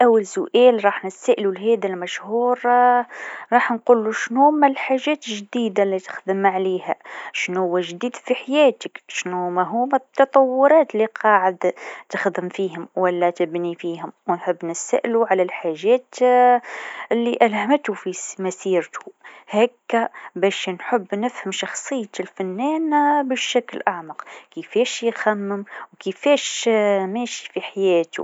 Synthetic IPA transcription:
ʔawːalsʊʔæːlɾˤɑːħnɪsaʔlulɦɛːd̪almæʃhuːɾ | ɾˤɑːħnquːlːuʃnumælħaʒæːt̪ʒd̪iːd̪alit̪ɪ̥xd̪ɪmʕaliːhæʃnuhʊwːæʒd̪iːd̪fiħajæːt̪ɪkʃnumæɦumætt̪ːɑt̪ˤɑwːʊɾˤɑːt̪liqʰɑːʕɪd̪t̪ɪxd̪ɪmfiːɦʊmwælːæt̪ɪbnifiːɦʊmwnħɪbːnɪsa̰ʔluʕalalħaːʒːæːt̪ | ʔɪlːiʔalhamɪt̪ufimasiːɾt̪u̥hæːkːabæːʃnħɪbːnɪfhamʃɑxsˤɨjːat̪ɪlfanːɛːnbɪʃːaklʔaʕmɑqkifeːʃjxamːɪmwkifeːʃmeːʃi̥fiħajɛːt̪ṵ

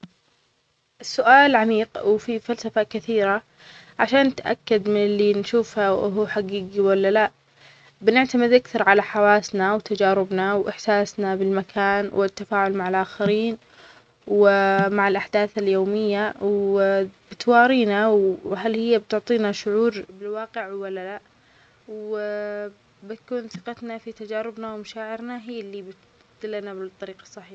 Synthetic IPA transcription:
sːʊʔaːlʕamiːqwfifalsafakɪθiːɾa | ʕaʃaːnːɪt̪ʔa̰kːad̪mɪnɪlːinʃuːfhaʔɦuħaɡiːɡiwalːalaʔ | bɪnɪʕt̪amɪd̪ʔakθɑɾˤʕalaħawaːsnawt̪ad͡ʒaːɾɪbnawʔɪħsaːsnabɪlmakʰaːnwʔɪt̪ːafaːʕʊlmaʕalʔaːxaɾiːn | wmaʕɪlʔaħd̪aːθaljoːmɪjːaw | bɪt̪wɑːɾiːnawɦalhɪjːabt̪ʊʕt̪ˤiːnaʃʊʕuːɾbɪlwɑːqɪʕwːalːala | w | bɪt̪kuːnθɪqɑt̪nafit̪ad͡ʒaːɾɪbnawmaʃaːʕɪɾnaɦiːlːibɪt̪ | d̪ɪlːanablt̪ˤːɑɾiːqɑ̥sˤːɑħiːħa

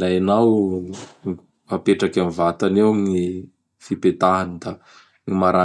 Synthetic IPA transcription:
lajanaw | mapeʈ͡ʂakamivat̪anewŋi | fipet̪anid̪a | ŋimaɾa

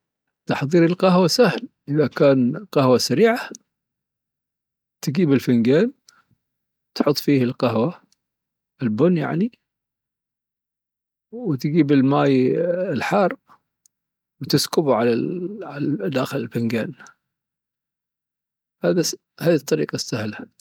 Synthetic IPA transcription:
t̪ɑħðˤiːɾɪlqɑɦwasahlʔɪðakaːnqahwasaɾiːʕa | t̪ɪɡiːbɪlfɪŋɡeːn | t̪ħʊt̪ˤːfiːhɪlqaɦwa | ɪlbʊnja̰ʕni | wt̪ɡiːbɪlmaːjɪlħɑːrˤ | wt̪ɪskʊbʕala̰ʕalad̪aːxɪlɪlfɪŋɡeːn | haːða | haːðit̪ˤːɑɾiːqɑsːahla

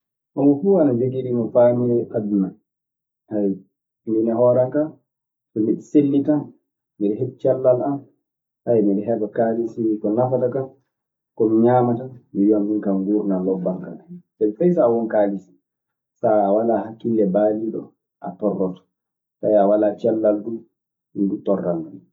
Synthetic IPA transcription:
ʔɔmɔfuanad͡ʒeɡiɾimɔfamiɛʔabuman | haj | mbinɛɦɔːɾaŋka | kɔmiɗselːitan | miɗɛhet̚t͡ʃalːalan | tajmiɗɛɦɛbakalisikɔnafatakan | kɔmiɲaːmatamijondiŋkamɡuːɾnalɔbːaŋka̰asɛfajsawɔnkalisi̥ | saːwalahakːilːɛbaliɗɔ̰ | ʔa̰tɔrːɔtɔ̥ | tajawalat͡ʃɛlːalɗum | midutɔrːaŋɡa

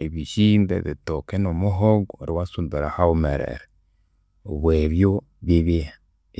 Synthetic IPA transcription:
eβiʃindḛðetokenomoɦoɡoɾiwasumbeɾahaomḛɾḛɾe | o̰βweβjo | βiβe

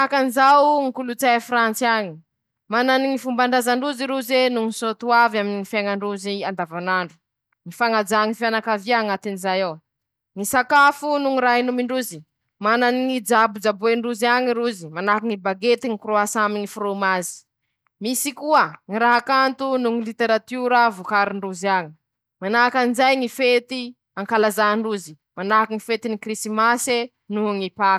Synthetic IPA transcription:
akanizawŋikulut͡sajfɾant͡siaɲi | mananiŋifumbaɳɖ͡ʐazaɳɖ͡ʐuziɾuzenuŋisot̪uavaminŋifaŋaɳɖ͡ʐuziand̪avanaɳɖ͡ʐu̥ | ŋifaŋad͡zaŋifjanakaviaŋat̪inizajaw | ŋisakafunuŋiɾainumiɳɖ͡ʐuzi | mananiŋid͡ʒabud͡ʒabueɳɖ͡ʐuziaŋiɾuzimanakiŋibaɡet̪iŋikuɾoasamiŋifuɾomazi̥ | misikuəŋiɾaɦakant̪unuŋilit̪eɾat̪uɾəvukaɾiɳɖ͡ʐuzaŋi̥ | manakanizajŋifet̪i | aŋkalazaɳɖ͡ʐuzi̥ | manakiŋifet̪inikrisimase | nuŋipḁ

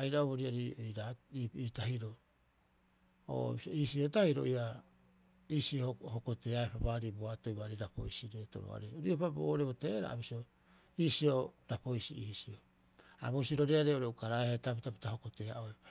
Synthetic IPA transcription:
ajɾaoβoɾiaɾiojɾaiiːtaɦiɾo̞ | o̰biso̰iːsio̞tahiɾo̞̰ʔia | iːsiohoko̞te̞aepabaɾiboato̞jβaɾiɾapo̞̰jsiɾe̞to̞̰ɾo̰a̰ɾeoɾiopabo̰ɾeβoteɾa̰a̰bisio̞ | iːsio̞ɾapo̞jsḭisio | a̰βosiɾoɾeaɾeoɾeukaɾaehatapitapi̥taho̞ko̞te̞aʔo̞

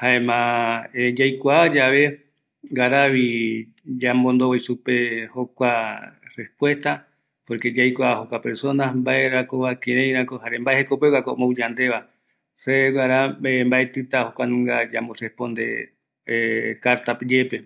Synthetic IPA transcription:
haẽmãed͡ʒajkʷaad͡ʒaβe̞ | ɡaɾaβi | d͡ʒambõnd̪oojsupe̞hokʷarespwe̞st̪a | po̞ɾke̞d͡ʒajkʷaahokʷapeɾso̞nasmbaeɾakoβakẽɾẽjɾãkohaɾembaehekopeɣakomowd͡ʒand̪e̞βa | seɡaɾaembaet̪ɨt̪ahokʷanũŋɡad͡ʒamborespõ̞nd̪ḛ | kaɾt̪apd͡ʒepe̞

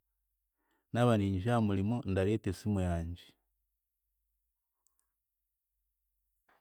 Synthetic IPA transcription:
naβaniːɲiʒaːmulimondaɾeːtesimwjaːɲɟi

